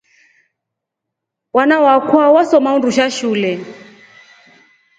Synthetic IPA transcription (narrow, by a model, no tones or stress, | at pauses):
wanawakʰwawasɔmaunduʃaʃuːlɛ